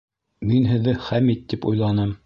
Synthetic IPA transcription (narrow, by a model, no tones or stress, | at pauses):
minɦɘ̆ðɘχæmit̪ːipṵjlˠɑnɤm